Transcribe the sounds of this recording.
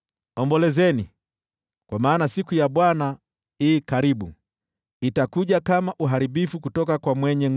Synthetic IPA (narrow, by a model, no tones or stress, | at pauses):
ɔmbɔlɛzɛni | kwamaːnasikujaɓwana | iːkaɾiɓṵ | itakuʄakamaʔuɦaɾiɓifukutɔkakwamwɛɲɛ